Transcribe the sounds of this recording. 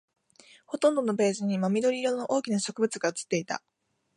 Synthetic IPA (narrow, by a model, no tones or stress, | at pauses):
ho̞t̪õ̞nd̪o̞no̞be̞ːʑiɲ̟imamʲid̪o̞ɾʲiɾo̞no̞ʔo̞ːkʲinaɕo̞kɯ̟bɯ̟t͡sɨɡaɯt͡sɨ̥t̪ːe̞it̪a̰